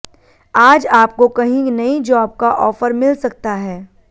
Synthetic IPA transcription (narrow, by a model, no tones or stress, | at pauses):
aːd͡ʒaːp̚kokɐɦĩnɐid͡ʒɔːb̚kaʔɔːfəɾmɪlsɐk̚t̪aɦɛː